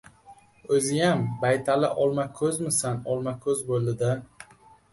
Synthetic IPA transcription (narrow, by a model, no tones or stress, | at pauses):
ɵzɪjambajt̪ʰalɪ̰ʔɒlˠmakʲʰɵzmɪsanɒlˠmakʲʰɵzbolɪd̪a